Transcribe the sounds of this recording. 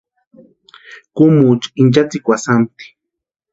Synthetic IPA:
kumut͡ʃint͡ʃat͡sikʷasamt̪i̥

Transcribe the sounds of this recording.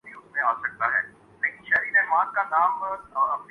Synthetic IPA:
bʱiʊsmẽaːsɐk̚t̪aɦɛ̰ː | leːkɪnʃɛɾinẽʋãkanaːmɔɐp̚n

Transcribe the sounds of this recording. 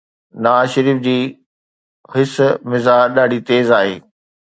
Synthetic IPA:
nɐʋaːzʃəɾiːfd͡ʑiː | ɦɪsmɪzaɗaːɖit̪eːzaːɦeː

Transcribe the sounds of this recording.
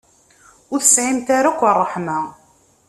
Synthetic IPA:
ʊɾθə̥sʕimt̪aɾakʷːərˤːəħma

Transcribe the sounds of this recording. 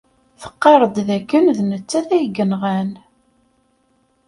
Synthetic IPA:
θə̥qːɑɾˤəd̪ðækːənðnət͡sːæθæjɡənʁæn

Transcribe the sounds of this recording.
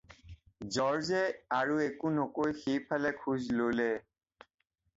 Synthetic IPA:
zɔɹzɛaɹuekunokojxejpʰalɛkʰuzlolɛ

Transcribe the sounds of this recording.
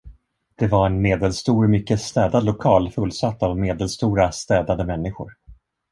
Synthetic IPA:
d̪̥ɛvaɾɛnmeːd̪ɛlst̪uːɾmʏkːəst̪ɛːd̪ad̪lʊkʰɑːlfɵlːsat̪ːavmeːd̪ɛlst̪uːɾast̪ɛːd̪ad̪əmɛnːɪɧʊ̰ɾ

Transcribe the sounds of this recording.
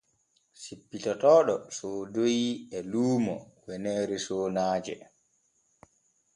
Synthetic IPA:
sipːitɔtɔːɗɔsoːdojiɛluːmɔwɛnɛːɾisoːnaːd͡ʒɛ̰

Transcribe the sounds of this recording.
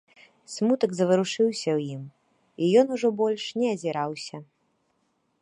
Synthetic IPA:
smut̪ɐɡzɐvɨɾuʂɨwsʲɐwjim | ijɔnuʐɔbɔlʲʂnʲɛɐzʲiɾawsʲɐ

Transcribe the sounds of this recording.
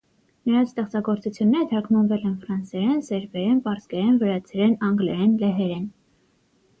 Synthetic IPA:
nəɾɑnt͡sʰst̪ɛχt͡sɑɡɔɾt͡sut͡sʰjunːɛɾɛt̪ʰɑkʰmɑnvɛlɛnfɾɑnsɛɾɛnsɛɾvɛɾɛnpɑɾskɛɾɛnvəɾɑt͡sʰɛɾɛnɑŋɡlɛɾɛnlɛɦɛɾɛn

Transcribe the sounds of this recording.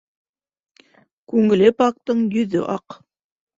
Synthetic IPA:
kʉŋɘ̆lɘpɑk̚t̪ɤɴjɵ̆ðɵ̰ʔɑq

